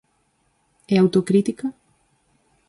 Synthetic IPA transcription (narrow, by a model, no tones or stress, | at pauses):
ɛawt̪okɾit̪ikɐ